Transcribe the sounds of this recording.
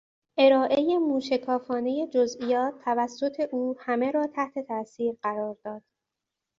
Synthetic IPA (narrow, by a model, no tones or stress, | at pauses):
ʔe̞ɾɒːʔe̞je̞muːʃekʰɒːfɒːne̞je̞d͡ʒozijɒːt̪ʰːævæsːo̞t̪ʰe̞ʔuːhæme̞ɾɒːt̪ʰæht̪ʰe̞t̪ʰæʔsiːɾɢæɾɒːɾd̪̥ɒːd̪̥